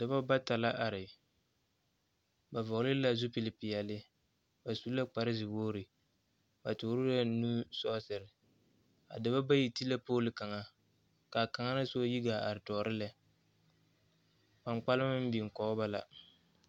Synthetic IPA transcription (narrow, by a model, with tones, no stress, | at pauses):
da˨ba˦ba˦ta˨la˦ʔa˨ɾɪ˨ | ba˨vɔ˨ɣlɪ˦la˦zʊ˦pi˨lɪ˨pɪ˨jɛ˨lɪ˦ | ba˨su˦la˦k͡pa˨ɾɪ˦zɪ˨boː˦ɾɪ˨ | ba˨toː˨˦ɾu˦ɾa˦nu˦sɔ˦sɪ˨ɾɪ˨ | a̰˨da˨ba˦ba˦ji˨ti˦la˦poː˦lɪ˨ka˨ŋa˦ | ka˨ka˨ŋa˦ɾa˦so˦ji˦ɡa˨a̰˨ɾɪ˨tɔː˨ɾɪ˦lɛ˦ | pa˨ŋk͡pa˦lɪ˦mɪ˦m̩˦bi˨ŋ̩˨kɔ˨˦ba˦la̰˨